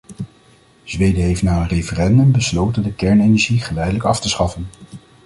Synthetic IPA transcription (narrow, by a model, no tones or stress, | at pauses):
z̥ʋejdəɦejftnaːənrejfərɛndɵmbəslowtəndəkɛɹnejnɛʒiχəlɛjdələkɑftəsχɑfən